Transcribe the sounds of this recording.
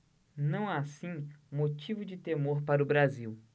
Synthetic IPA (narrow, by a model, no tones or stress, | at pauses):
nɐ̃w̃asĩmot͡ʃivʊd͡ʒɪt̪emoɾpaɾʊbɾaziw